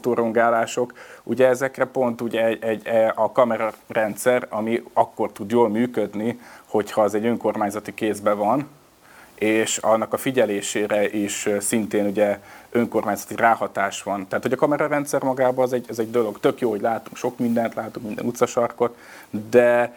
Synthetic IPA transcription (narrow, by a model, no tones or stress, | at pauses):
t̪oːɾoŋɡaːlaːʃo̞kuɟɛɛzɛkrɛpo̞nt̪uɟɛɛɟɛɒkɒmɛɾɒrɛnt̪sɛɾɒmiɒkːo̞rt̪ud̪joːlmyːkød̪niho̞chɒɛzɛɟø̞ŋko̞rmaːɲzɒt̪ikeːzbɛvɒn | eːʃɒnːɒkɒfiɟɛleːʃeːɾɛʔiʃsint̪eːnuɟɛøŋko̞rmaːɲzɒt̪iraːhɒt̪aːʃʋɒnt̪ɛɦat̪hoɟɒkɒmɛɾɒɾɛnt̪sɛrmɒɡaːbɒzɛɟɛzɛɟ̚d̪o̞lo̞ɡt̪ø̞kjoːho̞ɟlaːt̪uŋkʃo̞kmind̪ɛnt̪laːt̪uŋkmind̪ɛ̰nut̪sɒʃɒrko̞t̪ | d̪ɛ